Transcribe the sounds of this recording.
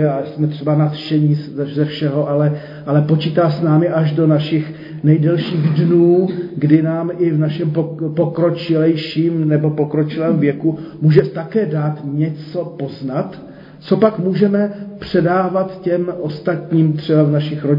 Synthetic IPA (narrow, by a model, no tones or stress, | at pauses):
aːsmɛt̪r̥ɛbanat̪ʃɛɲisɛzɛfʃɛɦo̞ʔalɛ | ʔalɛpo̞t͡ʃiːt̪aːsnaːmɪʔaʒdo̞naʃɪx | nɛjdɛlʃiːɣdnuːɡdɪnaːmɪvnaʃɛmpopo̞kɾo̞t͡ʃɪlɛjʃiːmnɛbo̞pokɾo̞t͡ʃɪlɛːmvjɛkumuːʒɛt̪akɛːdaːt̪ɲɛt͡so̞po̞znat̪ | t͡so̞pakmuːʒɛmɛpr̝̥ɛdaːvat̪cɛmʔo̞st̪at̪ɲiːmt̪r̝̥ɛbavnaʃɪxɾo